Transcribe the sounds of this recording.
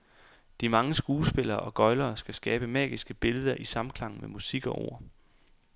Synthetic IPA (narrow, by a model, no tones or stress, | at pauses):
d̥imɑ̈ŋəsɡ̥uːsb̥e̝lɐːʔɒ̽ɡ̥ɒ̽ɪlɐːsɡ̥æsɡ̥ɛːb̥əmɛ̰ːɡ̥isɡ̥əb̥e̝ləð̞ˠɐʔisɑ̈m̩kʰlɑ̈ŋ̰n̩memusiɡ̥ɒ̽ʔo̝̰ɐ̰